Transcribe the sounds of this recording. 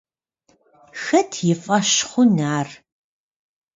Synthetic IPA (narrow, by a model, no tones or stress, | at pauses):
xɐtʰjɪfʼɐɕχʷʊnaːr